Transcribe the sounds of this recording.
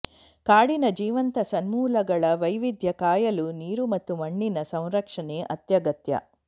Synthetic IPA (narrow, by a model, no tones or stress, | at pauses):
kaːɽinɐd͡ʒiːʋɐnt̪ɐsɐnmuːlɐɡɐɭɐʋɐjʋid̪jɐkaːjɐluniːɾumɐt̪ːumɐɳːinɐsɐ̃w̃ɾɐkʂɐneːʔɐt̪jɐɡɐt̪jɐ̰